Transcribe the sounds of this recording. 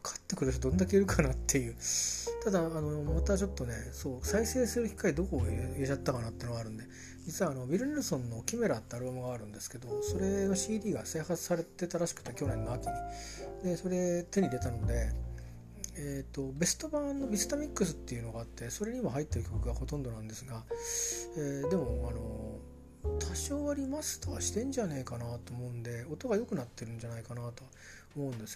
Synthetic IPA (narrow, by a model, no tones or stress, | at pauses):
kʰḁt̪ːe̞kɯ̟ɾɯɕod̪õnd̪akeiɾɯ̟kʰanat̪ʰːe̞jɯ̟ːt̪ad̪aːno̞mat̪at͡ɕo̞t̪ːo̞ne̞so̞ːsaise̞ːsɨɾɯ̟çʲi̥kːaid̪okoiet͡ɕat̪ːakanat̪ːeinoɡaɾɯ̟̃nd̪e̞ | d͡ʑit͡sɨβaːno̞bʲiɾɯ̟nʲeɾɯ̟sõ̞nːo̞kʲime̞ɾat̪ːeaɾɯ̟bamɯ̟ɡaːɾɯ̟̃nd̪e̞sɨ̥ke̞d̪o̞so̞ɾe̞no̞ɕiːd̪ʲiːɡase̞ːhat͡sɨ̥saɾe̞t̪e̞t̪aɾaɕi̥kɯ̟̥t̪ːekʲo̞nẽ̞nːoakʲiɲʲid̪e̞so̞ɾe̞t̪e̞ɲ̟id̪e̞t̪ano̞d̪e̞ | et̪ːo̞be̞sɨ̥t̪o̞bãnːo̞bʲisɨ̥t̪amʲikːɯsɨ̥t̪ːe̞iɯ̟no̞ɡaːt̪ːe̞so̞ɾe̞ɲ̟imaɦait̪ːe̞ɾɯ̟kʲo̞kɯ̟ɡaho̞t̪õ̞nd̪o̞nãnd̪e̞sɨɡa | eːd̪e̞mo̞ano̞ | t̪ʰaɕoːβaɾʲimasɨ̥t̪oaɕi̥t̪ẽ̞ɲ̟d͡ʑane̞ːkanat̪oːmo̞ɯ̟̃nd̪e̞o̞t̪o̞ɡajo̞kɯ̟nat̪ːe̞ɾɯ̟̃ɲ̟d͡ʑanaikanat̪oa | omo̞ɯ̟̃nd̪e̞sɨo